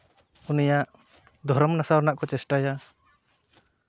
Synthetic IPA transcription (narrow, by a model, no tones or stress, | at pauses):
unijaʔ | d̪ʱɔɾɔmnasawɾnaʔkɔt͡ʃɛsʈaja